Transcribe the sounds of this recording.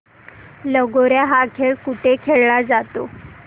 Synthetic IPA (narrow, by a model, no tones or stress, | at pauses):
ləɡoɾjaɦakʰeɭkuʈʰekʰeɭlad͡zat̪o